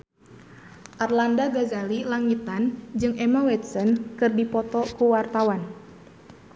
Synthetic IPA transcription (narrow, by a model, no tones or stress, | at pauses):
ʔarlandaɡazalilaŋit̪and͡ʒɨŋʔɛmawɛt̪̚sɔnkɨrdipɔt̪ɔkuwart̪awan